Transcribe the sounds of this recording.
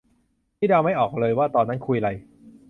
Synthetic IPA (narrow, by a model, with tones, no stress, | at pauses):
tʰiː˥˩aː˧wma˥˩jʔɔː˨˩k̚lɤː˧jwaː˥˩t̪ɔː˧nːa˦˥nkʰu˧jʔa˧a˧j